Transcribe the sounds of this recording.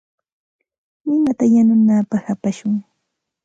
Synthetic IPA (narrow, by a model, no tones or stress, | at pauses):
nɪmat̪ajanʊnaːpɑxapaʃʊŋ